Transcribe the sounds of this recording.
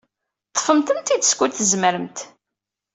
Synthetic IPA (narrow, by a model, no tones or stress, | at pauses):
t̪ˤːə̥fəmt̪ənt̪id̪əskʷut̪ːəzməɾəmt̪